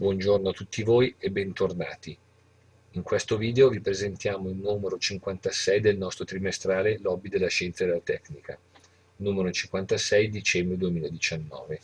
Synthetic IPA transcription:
bwɔnd͡ʒornoat̪ːut̪ːivoːjebːɛnt̪orna̰ːt̪i | iŋkwest̪oviːd̪eovipɾezent̪jaːmoilnuːmeɾot͡ʃiŋkwant̪asɛjd̪elnɔst̪ɾot̪ɾimest̪ɾaːlelɔbid̪elːaʃɛnt̪sad̪elːat̪ɛknika | nuːmeɾot͡ʃiŋkwant̪asɛjd̪it͡ʃɛmbɾed̪uemiːlad̪it͡ʃanːɔ̰ːve

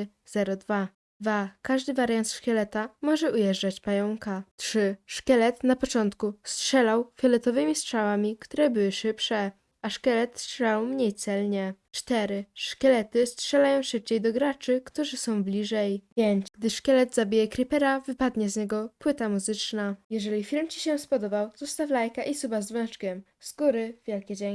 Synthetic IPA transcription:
z̥ɛɾɔd̪va | vakaʐd̪ɘvaɾjant̪ʂkʲɛlɛt̪amɔʐɛujɛʐd͡ʐat͡ɕpajɔŋkatʂɘʂkʲɛlɛt̪napɔt͡ʂɔnt̪kustʂɛlawfʲjɛlɛt̪ɔvɘmʲistʂawamʲikt̪uɾɛbɘwɘʂɘpʂɛ | aʂkʲɛlɛt̪stʂɛawmɲejt̪sɛlɲɛ | t͡ʂt̪ɛɾɘʂkʲɛlɛt̪ɘstʂɛlajɔ̃w̃ʂɘp̚t͡ɕejd̪ɔɡɾat͡ʂɘkt̪uʐɘsɔ̃w̃blʲiʐɛjpʲjeɲt͡ɕɡd̪ɘʂkɛlɛt̪zabʲijɛkɾʲipɛɾavɘpad̪ɲɛzɲɛɡɔpwɘt̪amuzɘt͡ʂnajɛʐɛlʲifʲiɾmt͡ɕi̥ɕɛspɔd̪ɔbawzɔst̪aflajkaʔisubazvɛ̃ʂkʲɛm | z̥ɡuɾɘvʲjɛlkʲɛd͡ʑɛ

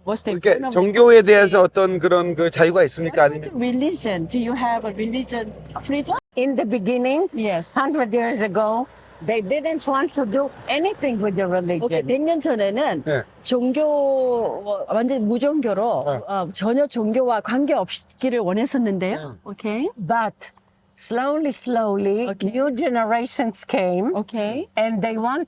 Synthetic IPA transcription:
wʌsekʰet͡ɕʌŋɡjoe̞de̞ɦes̬ʰʌːt͈ʌnkɯɾʌnkɯt͡ɕajuɡais͈ɯmɲik͈aaɲiɾilid͡ʒʌndujuɦɛvəɾilid͡ʒʌnfɾidʌmɪ̃nd̪əbiɡɪnɪ̃ŋjɛshʌ̃ndɹətjiɹzəɡoʊ | d̪edɪdə̃ntwɔ̃ntʰːuduɛnit̪ʰɪ̃ŋwɪd̪jəɹilioenpeŋɲʌnd͡ʑʌne̞nɯn | t͡ɕoŋɡjo | and͡ʑemud͡ʑʌŋɡjoɾoʌt͡ɕʌɲʌt͡ɕoŋɡʲjowakwanɡeʌp̚ɕi̥kiɾɯɭwʌnɦesʰʌnːɯndejookʰebʌt | sloʊlisloʊlioknjud͡ʒɛnəɹeʃə̃nskʰẽɪ̃mokʰeɛ̃nd̪eɪwɔ̃n

